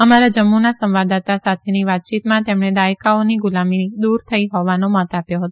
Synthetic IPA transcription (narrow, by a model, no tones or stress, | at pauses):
əmaɾad͡ʒəmːunasə̃mʋad̪at̪asat̪ʰeniʋat̪̚t͡ʃit̪mãt̪emɳed̪ajkaoniɡʊlamid̪uɾt̪ʰəiɦɔʋanomɔt̪apjoɦət̪oo